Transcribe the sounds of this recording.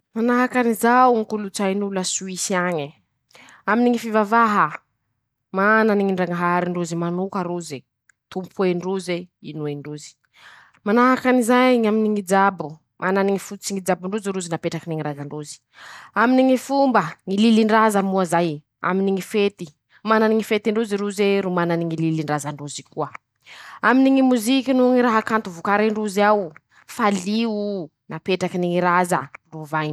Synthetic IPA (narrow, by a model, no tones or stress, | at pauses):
manaɦakanizawuŋikulut͡sajnulasuisiaɲi | aminiŋifivavaɦə | mananiŋiɳɖ͡ʐaŋaɦaaɾiɳɖ͡ʐuzimanukaɾuze | t̪umpʰueɳɖ͡ʐuzeinueɳɖ͡ʐuzi̥ | manaɦakanizajŋaminiŋid͡ʒabu | mʔananiŋifut͡siŋid͡ʒabuɳɖ͡ʐuziɾuzinapeʈ͡ʂakiniŋiɾaɡaɳɖ͡ʐuzi̥ | aminiŋifumbəŋililiɳɖ͡ʐazəmuazaj | a̰miniŋifet̪i | mananiŋifet̪iɳɖ͡ʐuziɾuzeɾumananiŋililiɳɖ͡ʐazaɳɖ͡ʐuzikuə | aminiŋimuzikʲinuŋiɾaɦakant̪uvukaɾiɳɖ͡ʐuziaw | faliunapeʈ͡ʂakiniŋiɾazə̰ɳɖ͡ʐuvajn